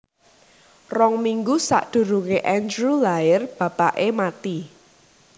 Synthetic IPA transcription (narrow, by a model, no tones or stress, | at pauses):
rɔŋmiŋɡusa̰ʔd̪̥ṳɾuŋeʔɛnd͡ʒɾulaɪrb̥ä̤paʔemat̪i